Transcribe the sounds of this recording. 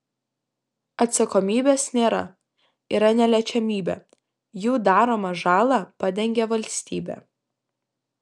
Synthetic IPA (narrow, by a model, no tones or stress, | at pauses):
ɐt̪sɐkɔmʲiːbʲeːsnʲeːɾɐ̰ | iːɾɐnʲɛlʲɛt͡ʃʲɛmʲiːbʲɛ̰ː | juːd̪ɑːɾoːmɐʒɑːlˠɑpɑd̪ʲɛŋʲɡʲɛʋɐlʲsʲt̪ʲiːbʲɛ̰ː